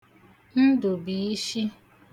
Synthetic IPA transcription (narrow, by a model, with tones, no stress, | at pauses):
n̩˦dʊ˨bi˨i˦ʃi˦